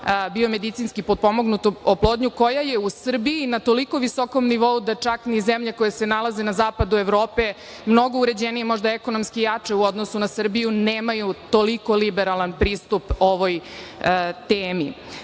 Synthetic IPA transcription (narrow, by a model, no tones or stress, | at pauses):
bio̞me̞d̪it̪sinskipod̪̚po̞mo̞ɡnut̪ooplˠo̞ːd̪ɲuko̞jaje̞usr̩biːnat̪o̞liko̞ʋiso̞ko̞mniʋo̞ud̪at͡ʂaknizemʎeko̞jesenalˠaze̞nazaːpad̪ue̞ʋɾoːpe | mno̞ɡouɾe̞d͡ʑenijemo̞ʒd̪aeko̞nomskijat͡ʂeuo̞d̪nosunasr̩bijuneːmajut̪o̞liko̞libeɾalˠanpɾiːst̪upoʋoj | t̪eːmi